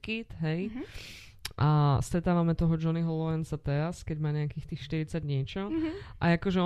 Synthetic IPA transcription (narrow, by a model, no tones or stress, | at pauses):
kit̪ɦɛj | ʔast̪ɾɛt̪aːʋamɛt̪ɔɦɔd͡ʒɔniɦɔlɔɛnsat̪ɛɾaskɛɟmaːɲɛakiːxt̪iːxʃt̪iɾit͡saɟɲɪɛt͡ʃɔʔa̰akɔʒɛɔ